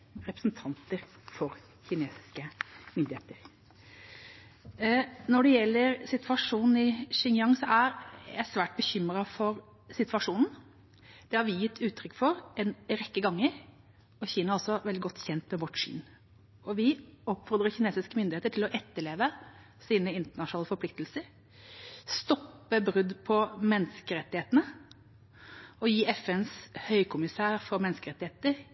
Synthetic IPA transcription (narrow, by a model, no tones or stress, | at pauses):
ɾɛpɾə̥sn̩t̪ʰɑnt̪əɾ | fɔɾ | çɪneːsɪ̥skəmʏnd̪ɪheːt̪əɾ | nɔɖɛjɛlːəɾsɪt̪ʋɑʂuːnn̩ɪʂɪŋjɑŋsɔæɾjæ̰ɪsʋæːʈ̚bəçʏmɾɑfɔɾ | sɪt̪ʋɑʂuːnn̩ | d̪̥ɛhɑɾʋɪjɪt̪ʰːʉːt̪ʰːɾʏkːfɔɾɛnɾɛkːəɡɑŋːəɾ | ɔçiːnɑɔlsɔʋɛld̪ɪɡɔt̪ːçɛnt̪mɛʋɔʈːʂy̰ːn | ɔʋɪɔpːfɔɾd̪ɾəçɪneːsɪskəmʏnd̪ɪheːt̪əʈʰɪlɔʔɛt̪ːəɭeːʋə | siːnəɪnt̪əɳɑʂnɑːləfɔɾpʰlɪkt̪lsəɾ | st̪ɔpːəbɾʉd̪pʰɔmɛnskəɾɛt̪ːɪeːt̪ənə | ɔjiːɛfɛnshœʏkʰʊmɪsæːɾfɔɾmɛnskəɾɛt̪ːɪeːt̪əɾ